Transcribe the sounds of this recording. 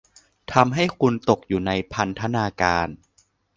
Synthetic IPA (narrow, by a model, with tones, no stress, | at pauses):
t̪ʰa˧mɦa˥˩jkʰu˧nt̪o˨˩k̚juː˨˩na˧jpʰa˧nt̪ʰa˧naː˧kaː˧n